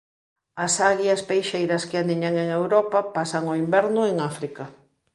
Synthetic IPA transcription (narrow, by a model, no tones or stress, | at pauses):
ɐsaɣjɐspejʃejɾɐskɪaniɲaŋeŋewɾɔpapasɐŋoimbɛɾnʊeŋafɾikɐ